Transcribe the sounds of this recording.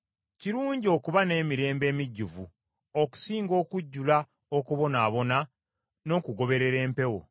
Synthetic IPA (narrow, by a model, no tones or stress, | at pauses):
ciɾuːɲɟio̞ːkuβane̞ːmiɾe̞ːmbe̞ːmiɟːuvṵ | oku̥siːŋɡo̞ːkuɟːula | okuβo̞naːβo̞na | no̞ːkuɡo̞βe̞ɾe̞ɾe̞ːmpe̞wo̞̰